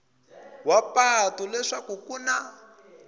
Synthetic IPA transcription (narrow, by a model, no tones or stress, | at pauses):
wapatɔlɛʂakukuna